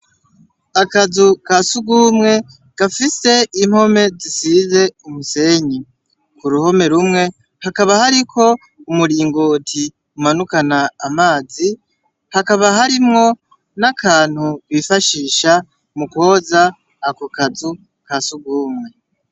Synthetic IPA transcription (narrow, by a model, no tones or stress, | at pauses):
akazukasuɡumŋe̞ | ɡ̥afise̞imho̞me̞zisize̞umuse̞ɲi | kuɾuho̞me̞ɾumŋe̞ | hakaβahaɾikʰo̞ | umuɾiːŋɡotʰi | umanukanaːmaːzi | hakaβaɦaɾimŋo̞ | nakʰaːn̥huβifaʃiːʃa | mukwo̞ːzaː | kokazu | kasuɡuːmŋe̞